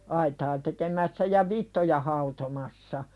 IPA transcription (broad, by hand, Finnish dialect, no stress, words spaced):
ɑitɑː tekemæsːæ jɑ ʋitːojɑ hɑutomɑsːɑ